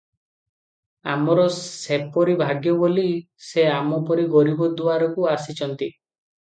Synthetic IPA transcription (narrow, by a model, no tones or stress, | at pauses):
a̰mɔɾɔsepɔɾibʱaɡjɔboli | seamɔpɔɾiɡɔɾibɔd̪uaɾɔkuasit͡ʃʰɔnt̪i